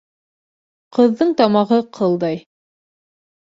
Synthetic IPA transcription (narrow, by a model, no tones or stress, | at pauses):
qɤ̆ðːɤɴt̪ɑmɑʁɤqʰɤlˠd̪ɑj